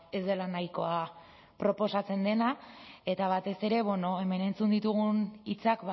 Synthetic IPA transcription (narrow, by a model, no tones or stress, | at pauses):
e̞zd̪e̞lanajko̞a | pɾo̞po̞sat͡se̞nd̪e̞nae̞t̪aβ̞at̪e̞se̞ɾe̞βwe̞no̞e̞me̞ne̞nt͡sund̪it̪uɣ̞unit͡sakb